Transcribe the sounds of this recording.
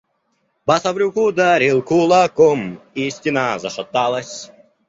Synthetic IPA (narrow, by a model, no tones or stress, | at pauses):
bɐsɐvɾʲukud̪aɾʲilˠkulˠakɔmisʲtʲinazɐʂɐt̪ːalˠɐsʲ